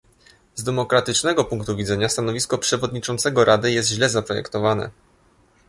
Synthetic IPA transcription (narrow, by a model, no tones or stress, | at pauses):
zd̪ɛmɔkɾat̪ɘt͡ʂnɛɡɔpuŋkt̪uvʲid̪zɛɲast̪anɔvʲiskɔpʂɛvɔd̪ɲit͡ʂɔnt̪sɛɡɔɾʔad̪ɘjɛst̪ʑlɛzapɾɔjɛ̰kt̪ɔvanɛ̰